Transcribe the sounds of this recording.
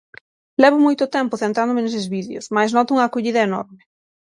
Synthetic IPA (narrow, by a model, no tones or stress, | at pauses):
lɛβ̞ʊmojt̪ʊt̪ɛmpʊθent̪ɾand̪ʊmenesezβiðeosmajsnɔt̪ʊuŋɐːkoʎiðɐenɔ̰ɾmɪ